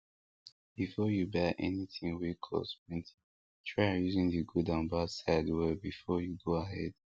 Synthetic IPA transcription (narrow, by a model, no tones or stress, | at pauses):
b̥ifɔjubɛʔɛniθĩŋwikʰɔ̰spĩnt | tʰɹaɪ̃juzĩŋðiɡudãnbadsadwɛbifɔjuɡoaɦɛd̥